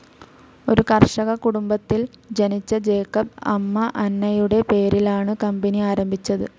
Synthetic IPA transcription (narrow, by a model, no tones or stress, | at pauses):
o̞ɾukɐrʂɐɣɐkuɽumbɐt̪ːil | d͡ʑɐnit͡ɕːɐd͡ʑe̞ːkːɐb̚ɐ̰mːɐʔɐnːɐjuɽe̞pe̞ːɾilaːɳɨkɐmbɐniaːɾɐmbʱit͡ɕːɐðɨ